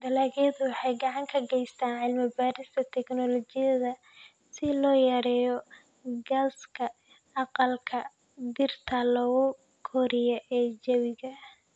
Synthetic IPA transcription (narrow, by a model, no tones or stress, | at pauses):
d̪ɐlaːɣijɐðʊwɑħɑjɡɑʕɑŋkʰɐɡɛjst̪ʰaːnʕɪlmɪbaːɾɪst̪ʰɐt̪ʰɛknɔlɔt͡ʃɪjɐðɐ | sɪlɔːjɐɾɛːjɔ | ɡɐskʰɐ | ɑqɑlkʰɐ | d̪ɪrt̪ʰɐlɐɣʊ | kʰɔɾɪjɔʔɛːd͡ʒɐwɪɣɐ